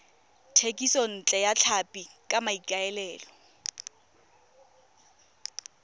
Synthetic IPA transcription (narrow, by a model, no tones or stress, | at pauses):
tʰekʼisɔn̩t͡ɬʼɛjat͡ɬʰapʼikʼamaikʼaɛlɛːlɔ